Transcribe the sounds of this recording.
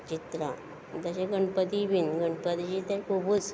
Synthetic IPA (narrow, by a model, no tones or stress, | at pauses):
t͡ɕit̪ɾa̰ | d̪əɕeɡəɳpət̪iʋinɡəɳɖpət̪id͡ʑit̪ɛɾkʰubut͡s